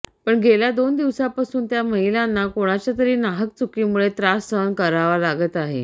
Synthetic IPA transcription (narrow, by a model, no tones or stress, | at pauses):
pəɳɡʱelad̪ond̪iʋsapasuːnt̪jaməɦilanːakoɽ̃at͡ɕjat̪əɾiːnaɦək̚t͡sukimuɭet̪ɾasənkəɾaʋalaɡət̪aɦḛ